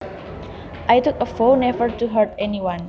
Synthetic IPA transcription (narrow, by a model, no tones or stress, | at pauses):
ʔajt̪ukəfonɛvəɹt̪uɦəɹtɛniwãn